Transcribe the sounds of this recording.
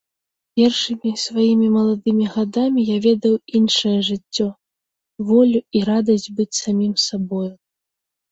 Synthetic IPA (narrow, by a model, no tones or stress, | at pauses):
pʲɛrʂɨmʲisvajimʲimɐlˠad̪ɨmʲiɣad̪amʲijavʲɛd̪ɐwinʂɐjɐʐɨt͡sʲːɔ | vɔlʲuiɾad̪ɐsʲd͡zʲbɨt͡sʲsamʲimsabɔju